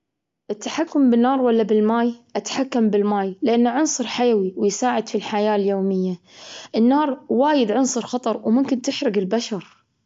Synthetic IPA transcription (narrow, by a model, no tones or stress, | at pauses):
ʔɪt̪ːaħakːʊmbɪnːɑːɾˤwalːabɪlmaːjʔat̪ḁħakːambɪlmaːjlɪʔanːaʕʊnsˤɨɾˤħajwiwɪjsaːʕɪd̪filħajaːljoːmɪjːa | ʔɪnːɑːɾˤwaːjɪd̪ʕʊnsˤɨɾxɑt̪ˤɑɾˤwmʊmkɪnt̪ɪħɾɪɡɪlbaʃɑɾˤ